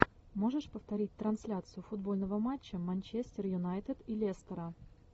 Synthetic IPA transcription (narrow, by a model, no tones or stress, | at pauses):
mo̞ʐɨʂpəft̪ɐɾʲit̚ʲt̪ɾɐnsʲlʲat̪sɨjʊfʊd̪bo̞lʲnəvəmat͡ɕːəmɐnʲt͡ɕesʲt̪ʲɪrjʊnajt̪ɨt̪ilʲest̪əɾə